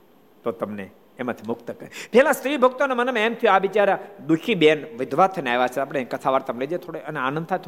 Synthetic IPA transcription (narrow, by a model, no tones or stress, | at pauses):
t̪ot̪əmneː | mãt̪ʰimʊkt̪əkəɾepɛɦlãsʈiʋibʱəkt̪onemənəmemt̪ʰijũaʋit͡ʃaɾad̪ukʰibenʋɪd̪ʱʋat̪ʰəneaeʋat͡ʃʰeaːp̬ɽ̃ekət̪ʰaʋaɾt̪ɐmled͡ʒet̪ʰoɽeəneanə̃nd̪̚t̪ʰajt̪ʰ